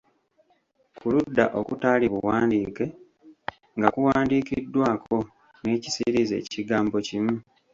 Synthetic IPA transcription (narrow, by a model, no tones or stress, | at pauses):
kuludːa̰ʔo̞kutaːliβuwaːndiːke̞ | ŋɡakuwaːndiːkidːwaːkʰo̞ | ne̞ːcisiɾize̞̰ːciɡaːmbo̞cimu